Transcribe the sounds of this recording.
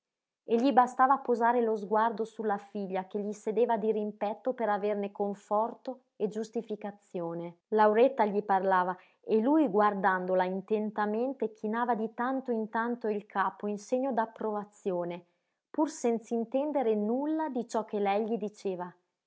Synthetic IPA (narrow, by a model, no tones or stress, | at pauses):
eʎːibast̪aːvaːpːozaːɾelozɡward̪osulːafiʎːakeʎːised̪eːvad̪iɾimpɛt̪ːopeɾavernekoɱfɔrt̪o | ed͡ʒust̪ifikat̪sːjoːne | lawɾɛt̪ːaʎiparlaːva | elujɡward̪and̪olaint̪ent̪ament̪ek̟ʰinaːvad̪it̪ant̪oint̪ant̪oilkʰaːpoinseɲːod̪apːɾovat̪sːjoːne | pursɛnt̪saint̪ɛnd̪eɾenulːad̪it͡ʃɔk̟ːelɛjʎid̪it͡ʃeːva